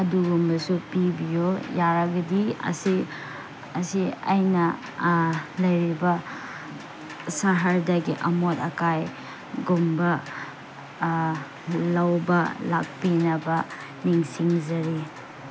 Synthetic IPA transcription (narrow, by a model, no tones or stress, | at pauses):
ɐduɡumbɐsupibijojaɾɐɡɐdiɐ̰si | ɐsia̰jnɐ | lɐjɾibɐ | saɦɐɾdɐɡiʔɐ̰motɐkaj | ɡumbɐ | lɐwbɐlak̚pinɐbɐ | niŋsiŋzɐɾi